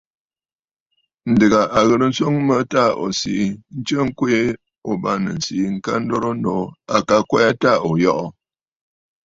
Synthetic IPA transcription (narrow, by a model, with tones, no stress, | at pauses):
n̩˨dɨ˨ɡa˨ʔa˨ɣə˨ɾə˦n̩˦so˦ŋmə˦ta˦˨o̰˨si˨˦n̩˦t͡ʃə˦ŋ̩˦kwe˦ | o˨ba˦nə̰˨n̩˨si˨˦ŋ̩˦ka˦n̩˦do˦ɾo˦no˨˦a˨ka˦kwɛ˦a˦ta˦˨o˨jɔ˦ʔɔ˨